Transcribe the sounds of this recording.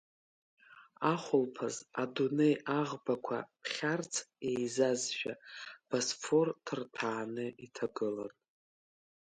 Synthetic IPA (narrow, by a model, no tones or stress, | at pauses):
aχʷʊlpʰazadune̞jaʁbakʷʰa̰pʰχʲart͡sʰejzazʒᶣab̥asfʰortʰɨrtʰaːnɨitʰaɡɨlar